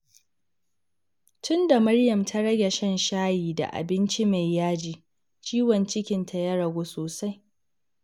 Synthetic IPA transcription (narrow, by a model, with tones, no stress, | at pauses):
tʊ˦nda˨mɐ˦ɽjɐ˨mtʰa˦ɽɐ˦ɡʲɛ˨ʃɐ˦˨nʃaː˦jiː˨da̰˨ʔa̰˨bɪ˦nt͡ʃi˦ma˨jːaː˦d͡ʒiː˨ | t͡ʃiː˦wɔ˨nt͡ʃɪ˦kʲɪ˨ntʰa˨ja˦ɽɐ˨ɡʷoː˦soː˨sa˦j